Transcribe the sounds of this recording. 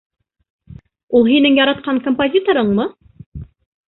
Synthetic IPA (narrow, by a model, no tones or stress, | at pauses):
ulˠɦinɘŋjɑɾɑt̪̚qɑŋkompozʲit̪oɾɤɴmɤ